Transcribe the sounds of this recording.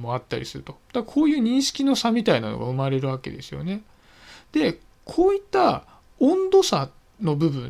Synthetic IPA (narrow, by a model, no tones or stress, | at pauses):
mo̞at̪ːaɾʲḭsɨɾɯ̟t̪o̞d̪̥aakʰo̞ːjɯ̟ːɲ̟ĩɰ̃ɕi̥kʲino̞samʲit̪ainano̞̰ɡa̰ɯ̟maɾe̞ɾɯ̟β̞ake̞̰d̪e̞sɨjo̞̰ne̞ | d̪̥e̞ | kʰo̞ːit̪ːa | õnd̪o̞sa | no̞bɯ̟bɯ̟̃